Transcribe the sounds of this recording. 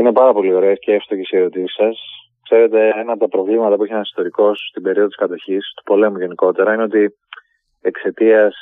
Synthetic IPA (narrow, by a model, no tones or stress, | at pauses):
ine̞pɐɾɐpo̞lio̞ɾe̞esceefst̪ocisie̞ɾo̞t̪isi̥sɐs | kse̞ɾe̞t̪e̞enɐːpot̪ɐpɾo̞vlimɐt̪ɐpuçenɐsi̥st̪o̞ɾiko̞sst̪ibe̞ɾioðt̪i̥skɐt̪o̞çist̪u̥po̞le̞muʝe̞niko̞t̪e̞ɾɐine̞o̞t̪i | ekse̞t̪iɐs